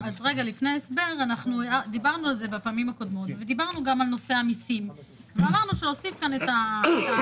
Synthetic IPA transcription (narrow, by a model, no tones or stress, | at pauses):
azʁe̞ɡalifne̞aesbe̞ʁanaχnuad̪ibaʁnualze̞bapaːmimhako̞d̪mo̞t̪ved̪ibaʁnuɡamalno̞seamisim | zeamaʁnuʃeosifkanet̪a